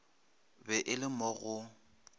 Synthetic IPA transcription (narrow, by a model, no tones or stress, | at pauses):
bɛʔɪlɪmɔɣʊ